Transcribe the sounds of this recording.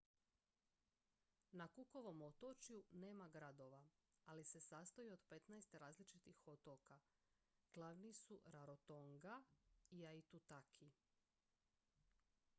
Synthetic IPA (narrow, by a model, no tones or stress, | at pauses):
nakuko̞ʋo̞mot̪ot͡ʃjune̞ːmaɡɾad̪o̞ʋaalise̞sast̪ojio̞d̪pe̞t̪najst̪eɾaːzlit͡ʃit̪ixot̪oka | ɡ̥lˠaʋnisuɾaɾot̪oŋɡaiait̪ut̪akʰi